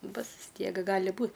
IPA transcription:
ˈbʊs ʋʲɪs ˈtʲiɛk ˈɡɑːlʲɪ ˈbuːt

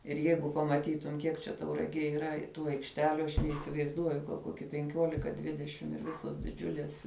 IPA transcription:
ɪr ˈjɛɪɡʊ pɐmɐˈtʲiːtʊm ˈkʲiɛk t͡ʃʲɛ tɐʊrɐˈɡʲeːj iːˈrɐ ˈtuː ɐɪkʃʲˈtʲæːlʲʊ ɐʃ nʲɛɪsʲɪʋɐɪzˈduɔjʊ ˈkoːkʲɪ pʲɛŋʲˈkʲoːlʲɪkɐ ˈdʲʋʲɪdʲɛʃʲɪm ɪr ˈʋʲɪsoːs dʲɪˈd͡ʒʲʊlʲeːs

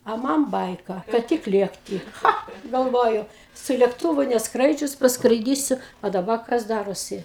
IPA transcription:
ɐ ˈmɐn ˈbɐɪkɐ kɐt ˈtʲɪk ˈlʲeːktʲɪ ˈxɐ ɡɐlˠˈʋoːjʊ sʊ lʲeːkˈtʊʋʊ nʲɛsˈkrɐɪd͡ʒʲʊs pɐskrɐɪˈdʲiːsʲʊ ɐ dɐˈbɐ kɐs ˈdɑːroːsʲɪ

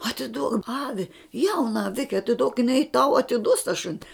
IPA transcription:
ɐtʲɪˈduɔk ˈɑːʋʲɪ ˈjɛʊnɐ ɐˈʋʲɪkʲɛ ɐtʲɪˈduɔk jɪˈnɐɪ tɐʊ ɐtʲɪˈduɔs tɐ ˈʃʊnʲɪ

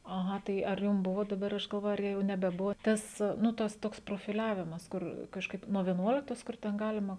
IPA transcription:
ɐˈɣɐ ˈtɐɪ ɐr ˈjʊm ˈbʊʋoː dɐˈbɐr ˈɐʃ ɡɐlˠˈʋoːjʊ ɐr ˈjɛʊ nʲɛbʲɛˈbʊʋoː ˈtɐs nʊ ˈtɐs ˈtoːks proːfʲɪˈlʲæːʋʲɪmɐs ˈkʊr kɐʃˈkɐɪp nuɔ ʋʲiɛˈnuɔlʲɪktoːs ˈkʊr tʲɛn ˈɡɑːlʲɪmɐ

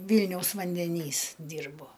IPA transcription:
ˈʋʲiːlʲnʲɛʊs ʋɐnʲdʲɛˈnʲiːs ˈdʲiːrboː

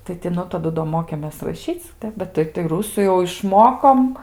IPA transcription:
tɐɪ tʲɪ ˈnʊ tɐˈdʊ doː ˈmoːkʲeːmʲeːs rɐˈʃʲiːt͡s ˈtʲɛp bʲɛt ˈtɐɪ tɐɪ ˈrʊsuː jɛʊ ɪʃˈmoːkoːm

